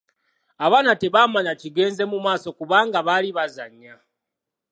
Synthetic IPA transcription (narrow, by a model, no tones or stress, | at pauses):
aβaːnate̞βaːmaɲaciɡe̞ːnze̞mumaːso̞kuβaːŋɡaβaliβazaɲa